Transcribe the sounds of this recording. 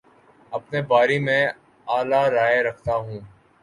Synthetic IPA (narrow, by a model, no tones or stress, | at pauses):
ɐpnebaːɾimẽː | aːlaːɾaːeɾɐkʰt̪aɦũː